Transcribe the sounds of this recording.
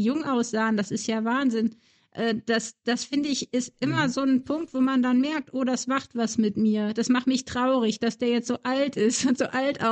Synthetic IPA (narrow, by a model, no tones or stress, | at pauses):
jʊŋʔaʊsz̥aːəndasɪstjaːvaːnzɪn | ʔʔɛːd̥asd̥asfɪndəɪçɪstʔɪmɐzoːnpʰʊŋk̚tv̥oːmandanmɛɐk̚tʔoːdasm̥aχtv̥asmɪtmiːɐd̥asmaχtmɪçtʁ̥aʊʁɪçd̥asd̥eːɐjɛt͡stz̥oːʔaltɪstʊntz̥oːʔaltʔa̰ʊ